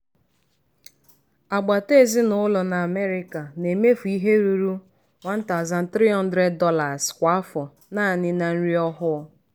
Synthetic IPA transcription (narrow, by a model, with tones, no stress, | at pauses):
a˨ɡ͡ba˨te˦˨zi˦nʊ˦lɔ˨na˨a˨me˦ɾɪ˦ka˨ne˨me˦fu˨i˦ɦe˦ɾu˨ɾu˦ | wa˦n̩˦ta˨za˨n̩˦t̪ɾi˦ɦɔ˦n̩˦dɾe˦d̚ːɔ˦la˨zkʷa˨a˦fɔ˨ | naː˦˨nɪ˦na˨n̩˦ɾi˦ɔ˦ɦʊ˦